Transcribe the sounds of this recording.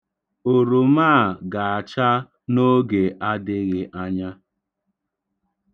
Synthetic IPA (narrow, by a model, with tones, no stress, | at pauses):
o˨ɾo˨maː˦˨ɡa˨a˨t͡ʃa˦ | no˦ɡe˨ʔa˦dɪ˦ɣɪ˦ʔa˦ɲa˦